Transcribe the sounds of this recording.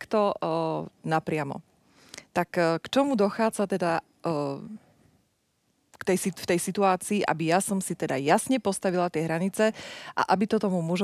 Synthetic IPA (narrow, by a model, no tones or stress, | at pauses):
kt̪ɔ | napɾɪamɔ̰ | t̪akːkt͡ʃɔmud̪ɔxaːd͡zat̪ɛd̪a | kt̪ɛjsift̪ɛjsit̪uaːt͡siːʔa̰bijasɔmsit̪ɛd̪ajasɲɛpɔst̪aʋilat̪ɪɛɦɾaɲit͡sɛʔa̰ʔabit̪ɔt̪ɔmumɔʒ